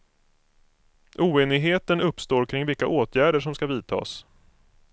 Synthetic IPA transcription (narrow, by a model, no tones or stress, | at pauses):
ʔuːeːnɪɡɦeːt̪ənɵpːst̪oːɾkʰɾɪŋvɪlkːaʔoːt̪ʰjæːɖəʂɔmskaviːt̪ʰɑ̰ːs